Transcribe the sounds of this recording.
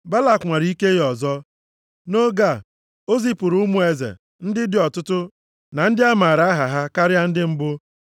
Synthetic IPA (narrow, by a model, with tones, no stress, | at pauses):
ba˦la˨kŋʷa˨ɾi˦ke˦jɔ˨zɔ˦ | no˦ɡa˦˨ | o˦zi˦pʊ˨ɾu˦mu˦e˨zḛ˨ | n̩˦dɪ˦dɪ˦ɔ˨tʊ˦tʊ˦ | na˨n̩˦dɪ˦a˦maː˨ɾa˦ɦa˨ɦa˦ka˦ɾja˦n̩˦dɪ˦m̩˦bʊ˦